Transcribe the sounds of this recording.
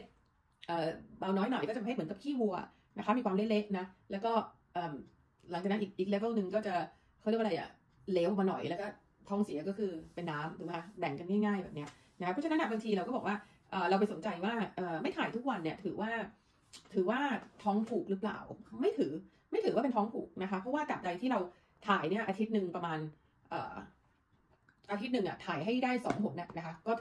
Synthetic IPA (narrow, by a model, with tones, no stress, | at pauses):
ʔəː˨˩baː˧wnɔː˦˥jnɔ˨˩jkɔ˥˩t͡ɕmɯ˩˦ŋka˨˩pkʰiː˥˩wu˧ɐ | na˦˥kʰa˦˥miː˧kwaː˧le˦˥le˦˥k̚na˦˥lɛː˦˥wkɔː˥˩ | ʔɤː˨˩m | lŋt͡ɕaː˨˩na˦˥ʔi˨˩k̚ʔi˨˩kle˦ve˥˩wnɯ˨˧ŋkɔː˥˩t͡ɕa˨˩ | kʰːɾ̚ʔla˧jʔa̰˨˩ | leː˦˥wmaː˧nɔ˨˩jlɛː˦˥wkɔː˥˩ | t̪ʰɔː˦˥ŋsi˨˩˦kɔː˥˩kʰɯː˧pe˧nːaː˦˥md̪uː˩˦kʰa˦˥bɛ˨˩ŋka˧nŋaː˥˩jŋaː˥˩jbɛː˨˩p̚ni˦˥ɐ | na˧˥kʰa˥pʰɔ˥t͡ɕʰna˦˥nːa˥˩ba˧ŋt̪ʰiː˧ɾa˧wkɔː˥˩bɔː˨˩kwaː˥˩ | ʔɤː˨˩ɾa˧wp̬a˧jso˩˦nt͡ɕa˧jwaː˥˩ʔɤː˨˩ma˥˩jt̪ʰaː˨˩jt̪ʰu˦˥k̚wa˧nːi˥˩ɐt̪ʰɯː˨˩˦waː˥˩ | t̪ʰɯː˩˦waː˥˩t̪ʰɔː˦˥ŋpʰuː˨˩k̚ɾɯ˦˥pla̰ː˨˩wma˥˩jt̪ʰɯː˩˦ | ma˥˩t̪ʰɯː˩˦waː˥˩pe˧nt̪ʰɔː˦˥ŋpʰuː˨˩k̚na˦˥kʰa˦˥pʰɾɔ˦˥waː˥˩ka˨˩p̚da˧jt̪ʰiː˥˩ɾa˧w | t̪ʰaː˨˩jni˥˩ɐʔaː˧t̪ʰi˦˥t̪̚nɯ˧ŋpɾa˧maː˧n | ʔɤ̰ː˨˩ | ʔaː˧t̪ʰi˦˥t̪̚nɯ˨˧˩ŋʔa̰˨˩t̪ʰaː˨˩jɦa˥˩jdaː˥˩jsɔ̰ː˩˦ŋmo˨˩t̪̚na˦˩na˦˥kʰa˦˥kɔː˥˩